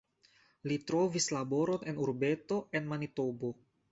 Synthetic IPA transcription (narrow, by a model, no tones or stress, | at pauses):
litɾo̞vislabo̞ɾo̞nenuɾbe̞to̞ʔe̞nmanito̞bo